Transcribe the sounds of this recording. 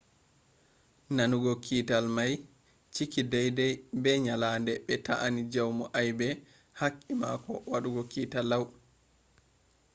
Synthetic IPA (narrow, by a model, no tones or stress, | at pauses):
nanuɡɔkʰitalmaj | t͡ʃikidɛjdɛjbɛɲalaːndɛɓɛta̰ʔanid͡ʒawmɔʔajbɛ | hakʼːimakɔ̰waɗuɡɔkiːtalaw